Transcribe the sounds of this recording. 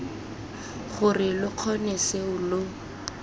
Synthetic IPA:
χʊrɪlʊq͡χʰɔnɛseʊlʊ

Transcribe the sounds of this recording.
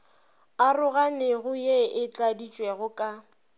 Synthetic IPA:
arʊɣanɪɣʊjeɪt͡ɬʼadit͡ʃʼweɣʊkʼa

